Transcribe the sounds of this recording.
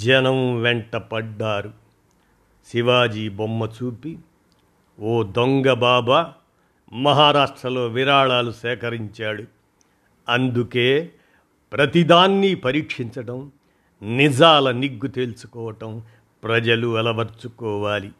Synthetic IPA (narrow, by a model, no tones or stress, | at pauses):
d͡ʒɐnɐmʋeɳʈɐpɐɖːaːɾu | siʋaːd͡ʒiːbomːɐt͡ʃuːpi | oːd̪oŋɡɐbaːbɐ | mɐɦaːɾaːʂʈɾɐlo̞ːʋiɾaːɭaːlusɛːkɐɾiɲt͡ʃaːɽu | ɐnd̪ukeː | pɾɐt̪id̪aːnːipɐɾiːkʂiɲt͡ʃɐʈɐm | nid͡ʒaːlɐniɡːut̪eːlusu̥kɔːʋɐʈɐm | pɾɐd͡ʒɐluɛlɐʋɐɾt͡ʃukɔːʋaːli